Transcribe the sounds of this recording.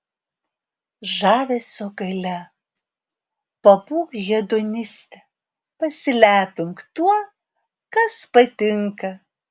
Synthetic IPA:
ʒɑːʋʲeːsʲoɡɐɪlʲɛ | pɐbuːkjiɛd̪onʲɪsʲt̪ʲɛ | pɐsʲɪlʲæːpʲɪŋkt̪uɔ | kɐspɐt̪ʲɪŋkɐ

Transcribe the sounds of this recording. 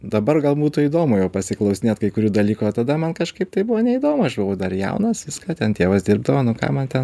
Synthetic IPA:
d̪ɐbɐrɡɐlˠbuːt̪ʊiːd̪oːmʊjɛʊpɐsʲɪklˠɐʊsʲɪnʲeːt̪kɐɪkʊɾʲuːd̪ɐlʲiːkot̪ɐd̪ɐmɐnkɐʃkɐɪp̚t̪ɐɪbʊʋoːnʲɛid̪oːmʊɐʃbʊʋɐʊd̪ɐrjɛ̰ʊnɐsʋʲɪskɑːt̪ʲɛnt̪ʲeːʋɐsd̪ʲɪrbd̪ɐʋoːnʊkɑ̰ːmɐnt̪ʲɛn

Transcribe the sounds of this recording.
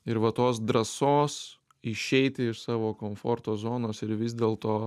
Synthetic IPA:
ɪɾʋɐt̪oːs̬d̪ɾɐsoːs | ɪʃʲɛɪt̪ʲɪɪʃsɑːʋoːkoːmfoːɾt̪oːzoːnoːsɪɾʋʲɪzʲd̪ʲeːlˠt̪oː

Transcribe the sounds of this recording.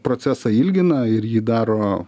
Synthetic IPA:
pɾoːt̪sʲæːsɑɪlʲɡʲɪnɐɪɾjiːd̪ɑːɾoː

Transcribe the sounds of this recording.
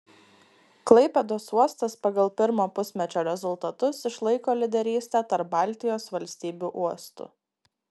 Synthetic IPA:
klˠɐɪpʲɛd̪oːsuɔst̪ɐspɐɡɐlˠpʲɪɾmoːpʊsʲmʲɛt͡ʃʲoːɾʲɛzʊlˠt̪ɐt̪ʊsɪʃlˠɐɪkoːlʲɪd̪ʲɛɾʲiːsʲt̪ʲæːt̪ɐɾp̚bɑˑlʲt̪ʲɪjoːsʋɐlʲsʲt̪ʲiːbʲuːʔuɔst̪ʊ̰

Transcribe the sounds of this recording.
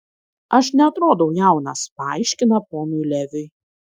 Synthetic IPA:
ɐʃnʲɛɐt̪ɾoːd̪ɐʊjæˑʊnɐspɑˑɪʃʲkʲɪnɐpoːnʲʊjlʲɛʋʲʊj

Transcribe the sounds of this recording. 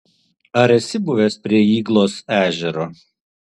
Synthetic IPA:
ɐɾɛsʲɪbʊʋʲeːspʲɾʲiɛiːɡlˠoːsæːʒʲɛɾoː

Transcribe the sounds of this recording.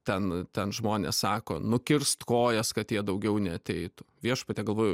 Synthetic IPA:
t̪ʲɛnt̪ʲɛnʒmoːnʲḛssɑːko̰ːnʊkʲɪrst̪koːjɛskɐt̪jiɛd̪ɐʊɡʲɛʊnʲɛɐt̪ʲɛɪt̪ʊʋʲiɛʃpɐt̪ʲɛːɡɐlˠʋoːjʊ

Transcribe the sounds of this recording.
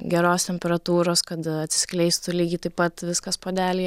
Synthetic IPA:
ɡʲɛɾoːst̪ʲɛmʲpʲɛɾɐt̪uːɾoːskɐt̪ɐt̪ʲsʲɪ̥sʲklʲɛɪst̪ʊlʲiːɡʲɪːt̪ɐɪppɐt̪ʋʲɪskɐspoːd̪ʲæːlʲɪjɛ

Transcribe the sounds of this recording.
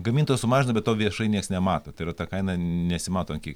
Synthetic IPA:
ɡɐmʲint̪ojɛsʊmɑːʒʲɪnɐbʲɛt̪t̪ːoːʋʲiɛʃɐɪnʲiɛksnʲɛmɑːt̪oːt̪ɐɪɾɐt̪ɑkɐɪnɐnʲɛsʲɪmɑːt̪oːɐŋkʲiːk

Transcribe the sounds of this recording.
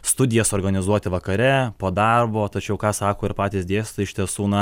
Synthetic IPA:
st̪ʊd̪ʲɪjɛsoːɾɡɐnʲɪzuɔt̪ʲɪʋɐkɐɾʲɛpoːd̪ɐrboːt̪ɐt͡ʃʲɛʊkɑːsɑːkoːɪɾpɑːt̪ʲiːsd̪ʲeːsʲt̪ɐɪʃʲt̪ʲiɛsuːnɐ

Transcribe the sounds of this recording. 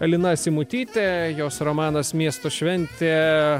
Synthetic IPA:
ɐlʲɪnɐsʲɪmʊt̪ʲiːt̪ʲejoːsɾomɑːnɐsmʲiɛst̪oːʃʲʋʲɛnʲt̪ʲeː

